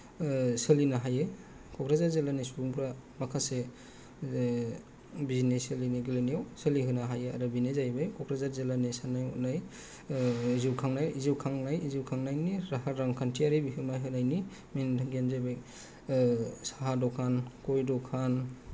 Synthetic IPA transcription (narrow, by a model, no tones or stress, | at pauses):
sɯlinaɦaje | kʰɔkʰɾazaɾzelanisubuŋpʰɾamakʰase | bizinesɯliniɡilɯnijawsɯliɦɯnaɦajea̰ɾɯbinezajbajkʰɔkʰɾazaɾzelanisanajṵnaj | ziwkʰaŋnajiziwkʰaŋnajiziwkʰaŋnajniɾaɦaɾːaŋkʰantʰiaɾibiɦɯmajɦɯnajni | mentʰaŋɡijanzajbaj | saɦadɔkʰankojdɔkʰan